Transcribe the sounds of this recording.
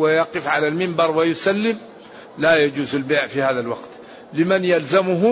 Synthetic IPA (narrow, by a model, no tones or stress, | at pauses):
wɪjɑqɨfʕalalmɪmbɑɾˤwajʊsalːɪm | lajad͡ʒuːzalbeːʕfihaːðalwɑ̰qt̪ | lɪmanjalzamʊɦʊ